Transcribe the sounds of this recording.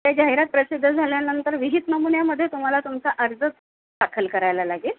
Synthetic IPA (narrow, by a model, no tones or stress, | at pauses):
t̪jad͡ʑaɦiɾat̪̚pɾəsid̪ʱːəd͡zʱaljanənt̪əɾʋiɦit̪nəmunjaməd̪ʱːjet̪um̤alat̪umt͡saʔəɾd͡zə | d̪akʰəlkəɾajlalaɡiːl